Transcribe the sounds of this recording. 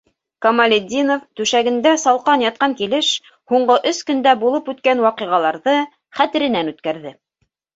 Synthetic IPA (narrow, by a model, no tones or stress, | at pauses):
komalʲed̪ʲinoft̪ʉʃæɡɘ̆nd̪æsɑlˠqɑnjɑt̪̚qɑŋkilɘʃ | huɴɢɤʔɵskɵ̆nd̪æbulˠɤpʉt̪kænwɑqɤ̆ʁɑlˠɑɾðɤ | χæt̪ɘ̆ɾɘ̆nænʉt̪̚kæɾðɘ